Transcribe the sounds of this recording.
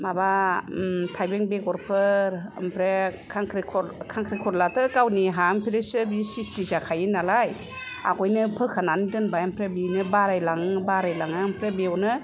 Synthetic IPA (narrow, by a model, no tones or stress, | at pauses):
maba | tʰajbeŋbekɔɾpʰɯɾmpʰɾekʰaŋkʰɾikʰɔɾkʰaŋkʰɾikʰɔɾlatɯkawniɦampʰiɾesɯbisistizakʰajinalaj | a̰ɡɔjnɯpʰɯkʰananidɯnbajampʰɾebinɯbaɾajlaŋbaɾajlaŋɯmpʰɾebeɔnɯ